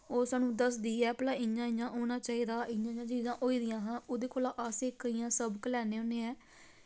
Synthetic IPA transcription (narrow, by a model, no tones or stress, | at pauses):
oːsaːnũːd̪əsd̪iːɛːplaːɪãːɪjãːʔoːnaːt͡ʃaːiːd̪aːʔɪ̃jãːɲãːt͡ʃiːzãːʔoːiːd̪ɪjãːɦãːoːd̪eːkʰoːlaːʔaseːkəijãːsəbkəlɛːnẽːõnẽːɛː